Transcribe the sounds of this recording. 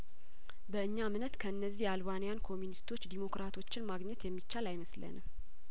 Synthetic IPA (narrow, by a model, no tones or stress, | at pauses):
bəɨɲːamnət̪kʰəɨnːəzːihjalβanijankʰo̞munist̪ʰo̞t͡ʃːd̪imo̞kɾat̪ʰo̞t͡ʃːɪnmaɡɲɛt̪jɛmːit͡ʃːalajməslə̰nɨm